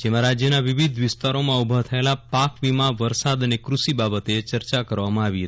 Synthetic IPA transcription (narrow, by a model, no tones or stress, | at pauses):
d͡ʒemãɾad͡ʒjənaʋiʋid̪ʱʋɪst̪aɾomãubʱat̪ʰəelapakʋimãʋəɾsad̪ənekɾuʃibabət̪et͡ʃəɾt͡ʃakəɾʋamãaʋiɦət̪i